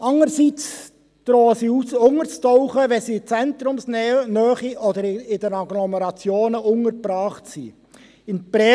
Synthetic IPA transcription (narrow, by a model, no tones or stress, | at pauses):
ɑŋəɾsit͡s | d̥ɾoːəsiusʊŋəɾt͡stɔʊχəʋɛsiːt͡sɛnt̪ɾʊmsnœːχiʔɔd̪əɾɪd̥ɛnɑɡlɔmɛɾɑt͡sjoːnəʊŋəɾbɾɑːχtsḭ | ɪnpɾɛ